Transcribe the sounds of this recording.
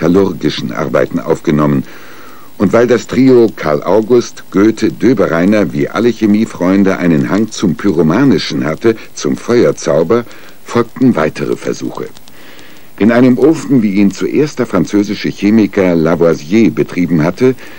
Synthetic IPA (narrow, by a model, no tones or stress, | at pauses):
alʊʁɡɪʃn̩ʔa̰ɐba̰ɪtn̩ʔa̰ʊfɡ̥ənɔmən | ʔʊntv̥aɪldastʁ̥iːokʰaɐlʔa̰ʊɡʊstɡ̥øːtʰədøːbəʁaɪnɐvḭːʔa̰ləçemiːfʁ̥ɔʏndəʔa̰ɪnənhaŋt͡sʊmpʰyʁomaːnɪʃn̩hatə | t͡sʊmfɔʏɐt͡saʊbɐ | fɔlk̚tn̩vaɪtʰəʁə̰fɛ̰ɐzṵːxə̰ | ʔɪnʔaɪnəmʔoːfn̩viːiːnt͡suʔeːɐstd̥ɛɐfʁ̥ant͡søːzɪʃəçeːmɪkɐlavazjeːbətʁ̥iːbm̩ɦatə